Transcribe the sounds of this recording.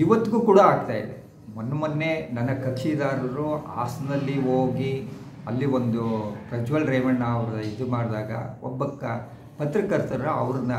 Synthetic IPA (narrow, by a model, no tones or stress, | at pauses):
iʋɐt̪ːuɡuːkuːɽaaːɡ̚t̪aːjḭd̪e | mɐnːɐmɐnːe̞nɐnːɐkɐkʃid̪aːɾɾua̰ːsɐnɐlːiɦoːɡi | ɐlːiʋond̪ukɾɐd͡ʒuʋɐlɾeːʋɐɳːɐɐʋɾɐid̪umaːɽd̪aːɡɐ̰ɔ̰bːɐkːɐ | pɐt̪ɾikɐɾt̪ɐɾɐɐʋɾɐnːɐ